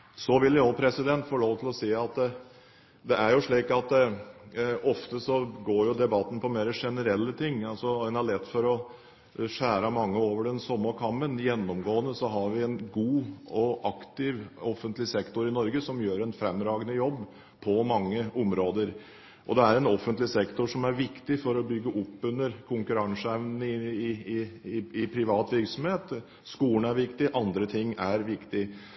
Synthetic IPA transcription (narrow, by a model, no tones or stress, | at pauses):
sɔʋɪljopʰɾɛsɪd̪ɛnt̪fɔɭoːʋt̪ʰɪlɔsiːɑt̪ | d̪ɛʔæɾjʊʂɭiːkɑt̪ | ʔɔft̪əsɔɡoːɾjʊd̪ɛbɑt̪ːn̩pʰɔmeːɾəʂɛnəɾɛlːət̪ʰɪŋːɑlsɔɛnæɭɛt̪ːfɔɾɔ | ʂæːɾɑmɑŋːəoːʋəɖɛnsɔmːəkʰɑmənjɛnːɔmɡoːənəsɔɦɑɾʋɪɛnɡuːɔʔɑkt̪ɪʋɔfənt̪lɪsɛkt̪ʊɾɪnɔɾɡəsɔmjøːɾɛnfɾɛmːɾɑːɡənəjɔbː | pʰɔmɑŋːəɔmɾoːd̪əɾ | ʔɔd̪ɛæɾɛnɔfːənt̪lɪsɛkt̪ʊʂɔmæɾʋɪkt̪ɪfɔɾɔbʏɡːəʔʊpːʉnːəɾkʰʊŋkʉɾɑŋsɛʋnnɪɪɪpʰɾɪʋɑːt̪ʋɪɾksɔmheːt̪ | skuːəɳæɾʋɪkt̪ɪʔɑnd̪ɾət̪ʰɪŋːæɾʋɪkt̪ɪ